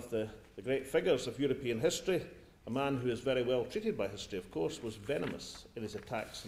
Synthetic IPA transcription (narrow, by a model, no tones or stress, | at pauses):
vðəðəɡɹetfɪɡjə˞zəvjʉɹɨpʰiə̃nɦɪstɹ̥i | əmãnɦʉɪzvɛɹiwɛlˠtʰɹ̥iʔɪd̚baɪɦɪstɹ̥iʌv̥kʰɔɹswʌzvɛnəmə̰sɪ̃nɪzətʰa̰ks